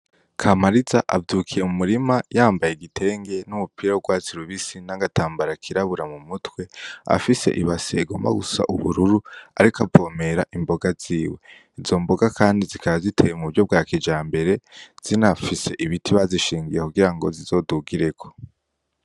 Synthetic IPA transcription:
kʰamaɾizaʔavduːkʰijemumuɾimajaːmbajeɡitʰe̞ːŋɡe̞numupiɾawoɡwaːt͡siɾuβisinaɡataːmbaɾakʰiɾaβuɾamumutwe̞a̰fise̞̰ʔiβaseɡoma̰ɡusa̰ʔṵβṵɾuɾuaɾikʰavɡoːme̞ɾaʔimbo̞ɡaz̥iːwe̞ | izo̞mbo̞ɡakʰaːndizikʰaβazitʰe̞jemuuɾɟo̞b̚ɡaːked͡ʒaːmbe̞ɾe̞z̥inafise̞ʔiβitʰiβaziʃiːŋɡijekuɡiɾaŋɡo̞̰zizo̞duɡiɾe̞kʰo̞̥

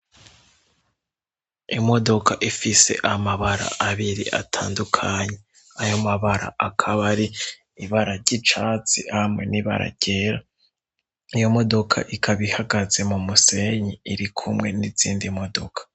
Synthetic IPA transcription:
imo̞do̞kaʔifise̞̰ʔamaβaɾa̰ʔaβiɾḭʔa̰tʰa̰ːndukʰaɲe̞ | ajo̞maβaɾa̰ʔakʰaβaɾi | iβaɾaɾɟit͡ʃaːt͡sihamŋe̞niβa̰ɾa̰ɾɟeːɾa | ijo̞mo̞do̞kʰa̰ʔikʰaβihaɡaze̞mumuse̞ɲiiɾikʰumŋe̞niziːndimo̞do̞kʰḁ

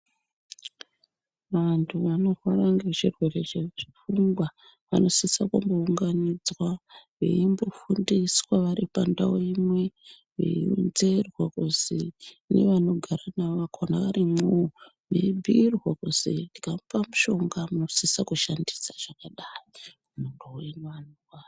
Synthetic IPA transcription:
ʋantʰuʋano̞rwaraŋɡet͡ʃirwe̞re̞t͡ʃeʐifuŋɡwa | ʋa̰no̞sisakumbouŋɡanid͡zwaʋḛimbofundiswaʋaripandawoimwe̞ | ʋḛinze̞rwakuzi | ne̞̰ʋano̞ɡʱaɾanaʋakʰonaʋarimu | ʋeibʱiːrwakuz̥itikampamuʃo̞ŋɡamuno̞sisakuʃandi̥saʐ̥akaɗaːji | anondouenʋanuukwaː

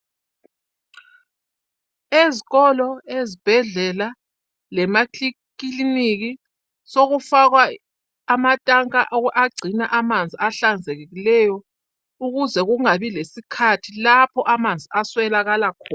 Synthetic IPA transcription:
eziɣɔlɔezib̥ʱɛɮɛla | lɛmakʰʼikiliniɣi | soɣufaɣwaː | matʼaŋkʼaʔaɡ͡ǀʱinaʔamand͡zʱiaɬand͡zʱeɣeɣilɛjɔ | uɣuzɛɣuŋaβilesikʰatʰilapʰɔʔamand͡zʱiaswɛlaɣalakʰɔː

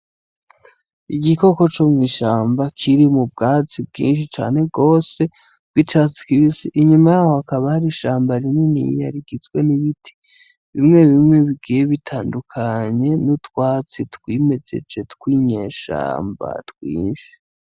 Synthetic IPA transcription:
iɡiko̞ko̞t͡ʃomŋiːʃaːmbakʰiɾimub̚ɡaːt͡sib̚ɡḭːnʃit͡ʃa̰ːne̞ɡo̞ːse̞ | b̥ɡ̥it͡ʃat͡si̥kiβisiʔiɲumajaːho̞hakaβahaɾiʃaːmbaɾimŋenḭja̰ɾiɡizɡwe̞niβitʰi̥ | βimŋe̞βimŋe̞βiɡijeβitʰaːndukʰaɲe̞nutwaːt͡sitwiːme̞ze̞̰d͡ʒe̞tkwiɲe̞ːʃa̰ːmba̰twḭːnvi

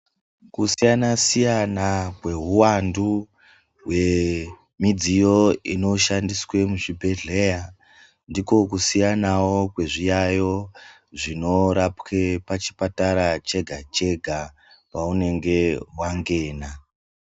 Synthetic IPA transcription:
kusijanasijanakwe̞ɦuwandu | we̞ | mid͡zijo̞ino̞ʃandiswe̞muʐibʱe̞ɮe̞ja | ndiko̞kusijanawokwe̞ʐijajo̞ | ʐino̞ɾapke̞pat͡ʃi̥pataɾat͡ʃe̞ɡʱat͡ʃe̞ɡʱa | paune̞ŋɡe̞waŋɡe̞ːna

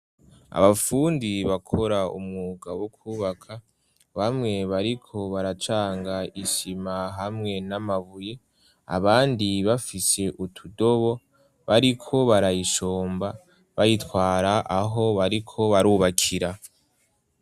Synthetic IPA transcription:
a̰βafuːndiβakʰo̞ɾaṵmŋuɡawokʰuːβakʰa | βamŋe̞βaɾikʰo̞βaɾat͡ʃaːŋɡaiʃimaɦamŋe̞namaβuje̞ | a̰βaːndiβafise̞ʔutʰudo̞βo̞ | βaɾikʰo̞βaɾajiʃoːmba | βajitwaːɾaʔaɦo̞βaɾikʰo̞βaɾuːβakʰiɾa

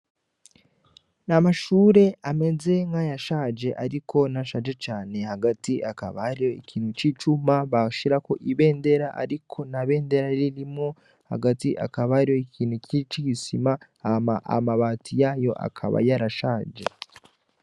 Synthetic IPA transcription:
namaʃuːɾe̞ame̞ze̞ŋɡajaʃaːd͡ʒe̞ʔaɾikʰo̞naʃaːd͡ʒe̞t͡ʃaːne̞haɡatiʔaka̰βa̰haɾijo̞ikʰiːnhut͡ʃit͡ʃumaβaʃiɾako̞ʔiβe̞ːnde̞ɾaʔa̰ɾikʰo̞naβe̞ːnde̞ɾaiɾiɾimŋo̞ | ha̰ɡatiʔa̰kaβahaɾijo̞ikʰiːn̥hucit͡ʃiɡisima | aa̰maβaːtijajo̞ʔa̰kʰa̰βa̰jaɾaʃaːd͡ʒe̞̰

